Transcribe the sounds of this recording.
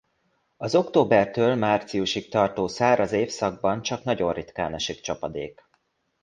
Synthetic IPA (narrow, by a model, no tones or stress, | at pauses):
ɒzo̞kt̪oːbɛrt̪øːlmaːrt̪sijuʃik̚t̪ɒrt̪oːsaːɾʔɒzeːfsɒɡ̚bɒnt͡ʃɒknɒɟo̞rrit̪ka̰ːnɒʃikt͡ʃɒpɒd̪ḛːk